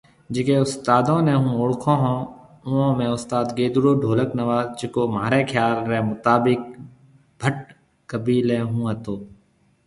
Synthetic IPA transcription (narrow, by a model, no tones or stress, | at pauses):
d͡ʒɪkeːʊst̪aːd̪õːnẽːɦũːoːɽkʰõːɦõː | ʊõːmẽːʊst̪aːd̪ɡeːd̪ʊɽoːɖʱoːləknəʋaːzd͡ʒɪkoːmaːɾeːkʰjaːlːɛːmʊt̪aːbɪk̚ | bʱəʈ | kəbiːlẽːɦũːɦət̪oː